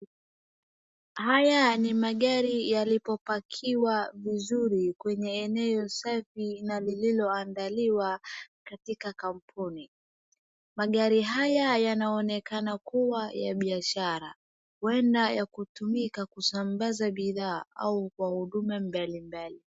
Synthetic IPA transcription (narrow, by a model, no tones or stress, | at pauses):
hajanimaɠaɾijalipɔpakʰiwavizuɾikwɛɲɛːnɛɔsafinalililɔandaliwakatikakam̩pʰuni | maɠaɾiɦajajanaɔnɛkanakuwaja̰ɓiaʃaɾa̰ | wɛndajakutumikakusambazaɓiðaːaukwahuɗumɛmbalimbali